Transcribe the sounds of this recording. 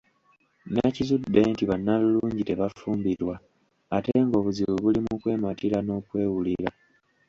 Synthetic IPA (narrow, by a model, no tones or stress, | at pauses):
nacizudːe̞ːntiβanːaluluːɲɟite̞βafuːmbiɾwaː | te̞ŋɡo̞ːβuziβuβulimukwe̞ːmatiɾano̞ːkwe̞ːwuliɾa